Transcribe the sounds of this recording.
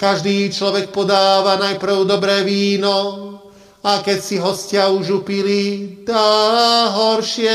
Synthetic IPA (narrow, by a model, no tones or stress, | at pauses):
kaʒd̪iːt͡ʃlɔʋɛk̚pɔd̪aːʋanajpɾ̩ʊd̪ɔbɾɛːʋiːnɔ | akɛcsiɦɔscɪauʒupilit̪aɦɔɾʃɪɛ